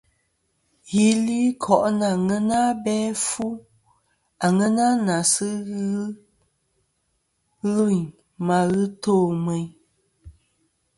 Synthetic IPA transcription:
ɣi˦li˦kʰɔ˨ʔna˨ŋɛ˦na˦bɛ˦fu˦ | a˨ŋɛ˦na˦na˨sɨ˦ɣ | ɣu˦˨n | ma˨ɣɨ˦toː˦˨mɛ˨

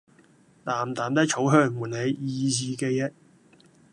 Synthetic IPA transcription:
laː˨˩mt̪aː˨˩mt̪ɐ˥k̚t͡ʃʰo˨˥wɦœː˥˩ŋmuː˨˩nhe˨˧jiː˧siː˨˧ke˧jɐ˧˥t̚

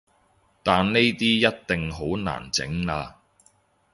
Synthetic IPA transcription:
t̪aː˨nne˥jt̪iː˥jɐ˥t̚t̪ɪ˨ŋɦo˨˥wna̰ː˨˩nt͡sɪ̰˨˥ŋaː˧

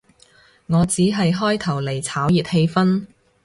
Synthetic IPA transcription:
ŋɔː˨˧t͡siː˨˥ɦɐ˨jɦɔː˥jt̪ʰɐ˨˩wle˨˩jt͡sʰaː˨˥wjiː˨t̚he˧jfɐ˥n

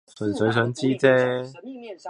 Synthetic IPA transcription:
sɵ˨˥˨t͡sɵ˨˧˥s̬œː˨˥ŋt͡siː˥t͡sɛː˥

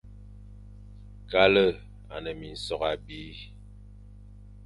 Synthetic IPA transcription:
ka˦lə˦˨ | a˨nə˨mi˨n̩˨sɔ˨ɣa˨bi˨˦

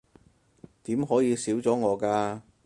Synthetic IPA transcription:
t̪iː˨˥mɦɔː˨˥jiː˨˧siː˨˥wt͡sɔː˨˥ŋɔː˨˧kaː˧

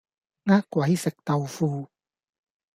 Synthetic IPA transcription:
ŋaː˥kkːwɐ˨˦jsɪ˨˩k̚t̪ɐ˨wfuː˧

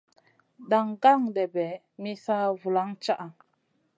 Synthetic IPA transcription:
da˨ŋɡa˦˨ŋdɛ˨bɛ˨ | mi˦sa˦vu˨la˨˦ŋt͡ʃa˦ʔa˨

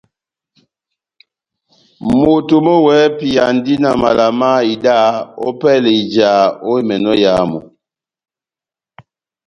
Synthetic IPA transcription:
mo˨to˨mɔ˦wɛ˨˦pi˨a˨n˦di˦na˨ma˨la˨ma˦i˨da˦ɔ˦pɛ˦le˨i˨d͡ʒa˨˦o˦i˦mɛ˨nɔ˦ja˨˦mɔ̰˨

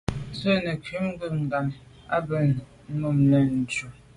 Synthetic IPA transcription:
zə˦nə˨kɥi˨˦m˦ɡə˦ŋ̩˨ɡa˨m | a˦bə˨˦ | mu˦˨mnə˨n̩˨d͡ʒu˨

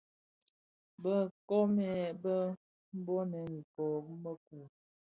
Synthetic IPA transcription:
bə˦kɔ˦mɛ˨bə˦ | m̩˦bo˦nɛ˨˦ni˨kɔ˨˦mə˦ku˨

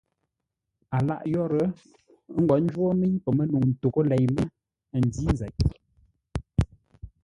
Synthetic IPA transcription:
a˨la̰˦˨ʔjɔ˦ɾə˨˦ | ŋ̩˦ɡɔ˨n̩˦d͡ʒwo˦mi˦ɲpə˨mə˦nu˨ŋn̩˨to˨ko˦lɛ˨jmə˦˨ | n̩˨di˦n˨zɛ̰˨ʔ̚

